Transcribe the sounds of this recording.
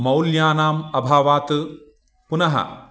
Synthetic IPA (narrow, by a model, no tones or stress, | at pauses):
mɐwljaːnaːmɐbʱaːʋaːt̪ɨ | punɐɦɐ̰